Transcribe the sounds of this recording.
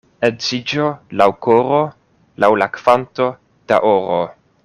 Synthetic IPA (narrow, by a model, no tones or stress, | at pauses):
ezid͡ʒolawkoɾo | lawlakvanto̞ | d̥a̰ʔoɾo